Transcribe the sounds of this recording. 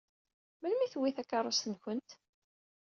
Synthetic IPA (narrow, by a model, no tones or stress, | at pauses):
məlmiθwiθækːɑɾˤosənçənt̪